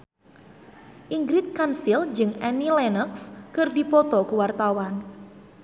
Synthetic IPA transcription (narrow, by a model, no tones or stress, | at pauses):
ʔiŋɡɾit̪̚kansild͡ʒɨŋɛnilɛnəkskərdipɔt̪ɔkuwart̪awan